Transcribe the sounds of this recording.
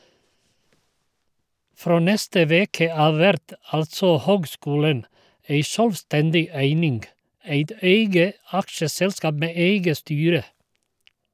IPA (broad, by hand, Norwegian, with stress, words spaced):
ˈfɾoː ˈnɛstə ˈʋeːkə ˈɑːʋ ˈʋɛɾt ˈɑltsɔ ˈhøːɡˌskuːlən ˈeɪ ˈʃœlʋˌstɛndɪ ˈæɪnɪŋɡ ˈæɪt ˈeɪɡə ˈɑkʃəˌsɛlskɑːb ˈmeː ˈeɪɡə ˈstyːɾə